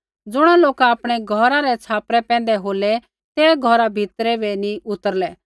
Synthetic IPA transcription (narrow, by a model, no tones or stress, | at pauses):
d͡zʊɽ̃ãloːkaːpɽ̃ɛɡʱɔɾaɾɛt͡sʰaːpɾɛpɛ̃ːn̆d̪ɛɦoːlɛ | t̪ɛɡʱɔɾabʱit̪ɾɛbʱɛnĩʊt̪əɾlɛ